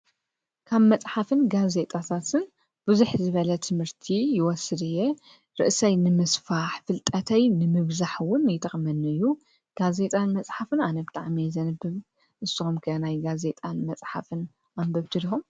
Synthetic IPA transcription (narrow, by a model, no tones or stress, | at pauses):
kʰaβmɐt͡sʼħafɨnɡaze̞t̪ʼat̪ʰat̪ʰɨn | b̥ɨzuħzɨβɐlɐt̪ʰɨmhɨɾt̪ʰijɪwɔsːɨd̪ɨjːɛ | ɾɨ̰ʔsɐjnɨmɨsfaħfɨlt̪ʼɐt̪ʰɐjnɨmɨβzaħwʊnːjt̪ʰɐxʼmɐnɨjːu | ɡ̥aze̞t̪ʼanmɐsʼħafɨnanɐbɨt̪ʼaʕmajzɐnɨbːɨβ | ʔɨsːɨxumkʰɐnajɡaze̞t̪ʼanmɐt͡sʼħa̰fɨn | ʔambɐβt̪ʰɨd̪ixum